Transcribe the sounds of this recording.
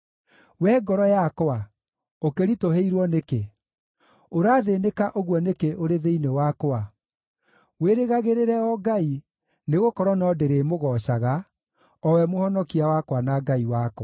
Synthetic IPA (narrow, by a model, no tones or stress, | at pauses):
wɛɡɔɾɔjakoa | okeɾitoɦeiɾwɔneke | oɾaːðenekaʔoɣwɔnekeʔoɾeðeinewakoa | weɾeɣaɣeɾeɾɛɔɡai | neɣokɔɾɔnɔdeɾeːmoɣɔɕaɣa | ɔwɛmohɔnɔkiawakwanaɡaiwak